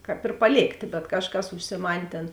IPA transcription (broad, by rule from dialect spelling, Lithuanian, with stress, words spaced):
ˈkɑːp ɪr pɐˈlʲeːktʲeː bʲɛt ˈkɑːʃˌkɐs ʊʃʲsʲɪˈmɐnʲ ˈtʲeːn